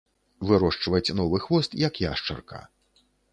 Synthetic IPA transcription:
vɨɾɔʂt͡ʂvɐt͡sʲnɔvɨxvɔst̪jɐkja̰ʂt͡ʂɐ̰rka̰

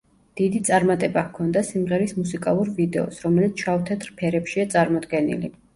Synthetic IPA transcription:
d̪̥id̪it̪sʼaɾmat̪ʼɛbakʰɔnd̪asimʁɛɾismusikʼalˠuɾvid̪ɛɔsɾɔmɛlit̪sʰʃavt̪ʰɛt̪ʰɾpʰɛɾɛpʃiat̪sʼaɾmɔd̪ɡɛnḭlḭ

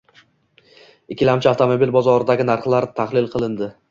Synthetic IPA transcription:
ɪkʲʰːɪlamt͡ʃʰɪaft̪ʰomobilbɒzɒɾɪd̪aɡʲɪnaɾχlˠaɾt̪ʰaχlɪlˠqʰɨlˠɪnd̪ɪ

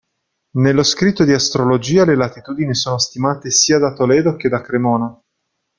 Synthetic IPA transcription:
nelːoskɾit̪ːod̪iast̪ɾolod͡ʒiːalelat̪it̪uːd̪inisoːnost̪imaːt̪esiːad̪at̪olɛːd̪ok̟ed̪akɾemɔːna

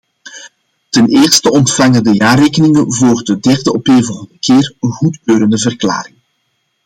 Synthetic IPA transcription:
təneːrstəɔntfɑŋədəjaːreːkənɪŋənvoːrdədɛrdəʔɔpeːvəndəkeːrɣutkøːɾəndəvərkla̰ːɾɪŋ

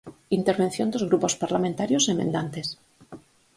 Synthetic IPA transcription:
int̪eɾβen̟θjond̪ozɣ̞ɾupospaɾlamẽnt̪aɾjosemḛ̃nd̪ant̪e̞s

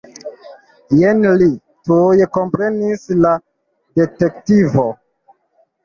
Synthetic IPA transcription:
jenli | tujekompɾe̞nisla | de̞tektivo

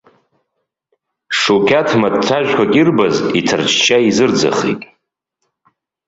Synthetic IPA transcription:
ʂokʲʰatʰmadtʷʰaʒᶣʷkʷʰakʲʼirbazitʰart͡ʃʰt͡ʃʰaizɨrd͡za̰χḛjtʼ

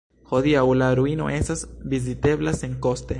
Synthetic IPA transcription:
ho̞diawlaɾuino̞̰ʔe̞stasvizite̞blase̞ŋko̞ste̞

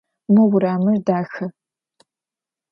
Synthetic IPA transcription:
mɨwʷʊɾaːmɨrdaːxɐ

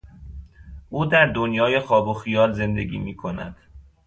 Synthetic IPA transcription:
ʔuːd̪æɾd̪onjɒːje̞xɒːboxijɒːlze̞nd̪e̞ɡḭːmiːkʰo̞næ̰d̪̥

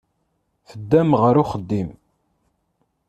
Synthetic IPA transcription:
θəd̪ːæmʁəɾʊχəd̪ːim

